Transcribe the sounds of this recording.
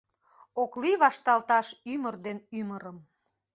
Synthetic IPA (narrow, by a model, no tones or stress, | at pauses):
okliβɑʃt̪ɑlt̪ɑʃymərd̪enyməɾəm